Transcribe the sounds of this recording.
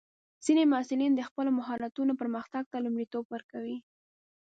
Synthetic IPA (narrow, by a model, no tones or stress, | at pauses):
z̥inemʊɑsɪlind̪əxpəlomʊɦɑɾat̪unopəɾməxt̪aɡ̚t̪alumɽit̪obwəɾkawi